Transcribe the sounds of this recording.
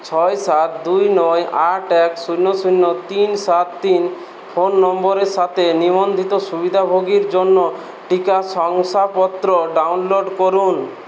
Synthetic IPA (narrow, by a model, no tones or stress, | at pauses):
t͡ʃʰɔjsat̪d̪ujnɔjaʈɛksunːɔsunːɔt̪insat̪ːin | pʰonːɔmbɔɾesat̪ʰenibɔnd̪ʱit̪ɔsubid̪ʱabʱoɡiɾd͡ʒonːɔ | ʈikasɔŋsapɔt̪ɾɔɖawnloɖkɔɾun